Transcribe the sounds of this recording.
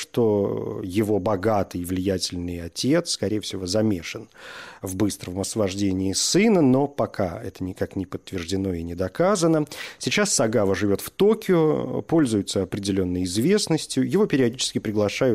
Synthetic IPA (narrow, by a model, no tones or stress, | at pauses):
ʂt̪o̞jɪvo̞bɐɡat̪ɨjvlʲɪjætʲɪlʲnɨjɐtʲe̞t̪skɐɾʲejəfsʲɪvo̞zɐmʲe̞ʂɨnvbɨst̪ɾəmɐsvɐʐdʲenʲɪːsɨnəno̞pɐkʰaɛt̪ənʲɪkaknʲɪpət̪ːvʲɪrʐdʲɪno̞ɪnʲɪd̪ɐkazənəsʲɪt͡ɕasːɐɡavəʐɨvʲo̞t̪ft̪o̞kʲɪʊpo̞lʲzʊjʊt̪səɐpɾʲɪdʲɪlʲo̞nːəjɪzvʲe̞snəsʲtʲjʊjɪvo̞pʲɪɾʲɪɐdʲit͡ɕɪ̥skʲɪpɾʲɪɡlˠɐʂajʊ